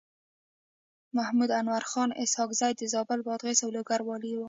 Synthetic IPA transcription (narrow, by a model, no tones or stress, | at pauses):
mahmud̪anwaɾxɑnɪ̰shɑkzajd̪əzɑbɪlbɑd̪ɣesawloɡaɾwɑliwu